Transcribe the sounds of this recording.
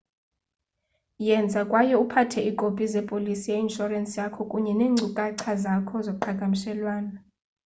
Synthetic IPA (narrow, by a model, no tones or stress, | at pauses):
jɛnd͡zʱakʼwajɔupʰatʰɛikʼopʼizɛpʼolisijeinʃɔrɛnsʼijakʰɔkʼuɲɛneːŋŋ͡ǀʱukʼaǀʰazakʰɔzokuǃʰakʼamiʃɛlwaːna